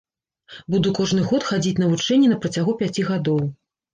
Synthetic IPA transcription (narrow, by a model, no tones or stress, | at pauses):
bud̪ukɔʐnɨɣɔt̪xad͡zʲit͡sʲnɐvut͡ʂɛnʲːɛnɐpɾɐt͡sʲaɣupʲat͡sʲiɣad̪ɔw